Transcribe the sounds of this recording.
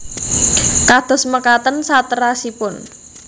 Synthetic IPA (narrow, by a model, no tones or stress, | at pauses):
kad̪̥ɔ̤sməkat̪ənsat̪əɾasipʊn